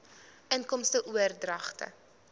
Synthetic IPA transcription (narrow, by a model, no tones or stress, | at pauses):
ənkɔmstəʔuərdrɐχtə̰